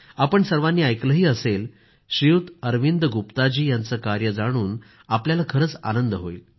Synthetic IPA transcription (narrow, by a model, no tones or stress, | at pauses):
apəɳsəɾʋanːiːajkləɦiːəsel | ɕiut̪əɾʋind̪əɡupt̪ad͡ʑiːjant͡səkaɾjəd͡zaɽ̃uːn | apljalakʰəɾəːt͡sa̰nənd̪əɦoil